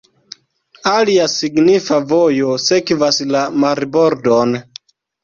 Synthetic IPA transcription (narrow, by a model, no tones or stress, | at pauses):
aliasiɡnifavojo̞se̞kvaslamaɾbo̞ɾdon